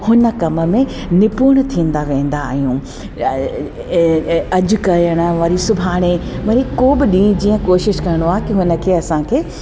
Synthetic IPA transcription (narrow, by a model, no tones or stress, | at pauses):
hʊnə̆kɐmə̆mẽ | nɪpuːɽ̃t̪ʰĩːn̆d̪aʋẽːn̆d̪aːɦijũː | ɐd͡ʑʊ̆kɐjəɽ̃ə̆ʋɐɾisʊbʱaːɽ̃ẽmɐɾikoːbɪɗĩːd͡ʑiːə̃koːʃɪʃkɐɾɪɽ̃oaːɦekɪɦʊnə̆kʰeːɐsãkʰeː